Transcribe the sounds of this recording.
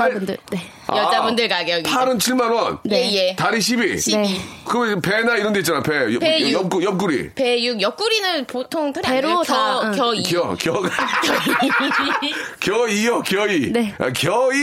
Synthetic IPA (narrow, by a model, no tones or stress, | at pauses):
ndɯ̰ne | jʌd͡ʑabundɯɭkaɡjʌpʰaɾɯnt͡ɕʰiɭmanwʌnejetaɾiɕ̬ʰibiɕekɯmpenaiɾʌndeit̚t͡ɕanapejpejʌk͈ujʌp̚k͈uɾḭpejuɡjʌk͈uɾinɯnpotʰoŋtʰɯɾjɾoʌkjʌikjʌkjʌɡ | kjʌijʌkjʌiea̰kjʌi